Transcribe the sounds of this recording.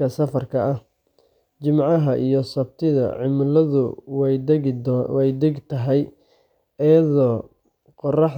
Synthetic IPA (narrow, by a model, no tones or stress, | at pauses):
ɐsɐfɐrkʰɐɐh | t͡ʃɪmʕɑɦɐʔijɞsɐbt̪ʰɪðɐ̰ʕɪmʊlɐðʊw | wɛjd̪ɛɡt̪ʰɐɦɛj | ɛjɐðɔː | qɔrɑħ